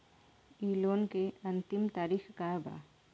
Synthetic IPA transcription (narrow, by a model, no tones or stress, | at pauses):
iːloːnkeɐ̃nt̪ɪmt̪aːɾixkaba̰ː